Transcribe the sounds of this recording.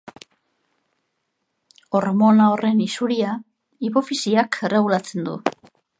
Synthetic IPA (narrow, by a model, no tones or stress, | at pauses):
o̞ɾmo̞nao̞re̞nisuɾia | ipo̞fisiakʰe̞re̞ɣ̞ulat͡se̞nd̪ṵ